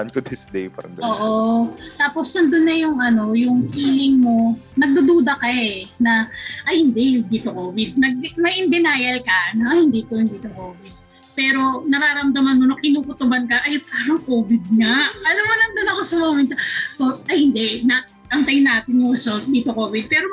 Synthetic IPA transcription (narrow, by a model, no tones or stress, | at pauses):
ɐnkʊd̪ɪsd̪ḛjpa̰ɾɐ̰ŋɡoːʔot̪aːpo̞snɐnd̪ʊnːɐjʊŋɐno̞jʊŋʔiːlɪŋmo̞nɐɡ̚d̪ud̪uːd̪ɐkɐɛnɐʔɐjhɪnd̪ɛd̪iːt̪okoːvɪd̪̚nɐɡ̚mɐʔɪnd̪ɪnaːjɐlkɐnɐhɪnd̪iːt̪ohɪnd̪iːt̪okoːvɪd̪̚ | pɛːɾo̞nɐɾaːɾɐmd̪ɐmɐnmonɐkɪnuːkʊt̪ʊbɐnkɐʔɐjp̪aːɾɐŋkoːbɪd̪̚ŋɐɐlamɐnɐnd̪onɐko̞sɐmomɛnt̪oʔoɐjhɪnd̪ɛnɐ | ʔɐŋt̪ɐjnaːt̪ɪnmosod̪iːt̪okoːvɪd̪̚pɛːɾo